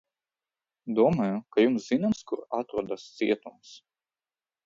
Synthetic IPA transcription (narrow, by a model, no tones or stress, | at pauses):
d̪uɔmaːjukajumszinamskuɾat̪ɾuɔd̪ast̪siɛt̪ums